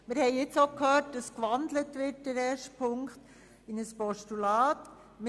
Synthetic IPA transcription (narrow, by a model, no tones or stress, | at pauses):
mɪɾhɛɪɪt͡sokʰhœːt̚d̥ɑskʋɑndlətʋɪt̚dəɾɛːʃtpʰʊŋkχt | ɪnəspɔʃtulɑːt | m